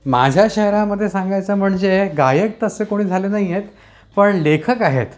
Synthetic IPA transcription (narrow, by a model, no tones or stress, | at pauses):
ma̰d͡ʑʱjaɕəɦɾãməd̪ʱːjesaŋɡajt͡səːm̤əɳd͡zeɡajək̚t̪əsekoɽ̃iːd͡zʱalenaɦijet̪ | pəɳlekʰəkaɦḛt̪